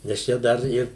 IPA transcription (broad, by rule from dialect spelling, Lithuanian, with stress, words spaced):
nʲɛs ˈt͡ʃʲɛ ˈdɐr ˈɪr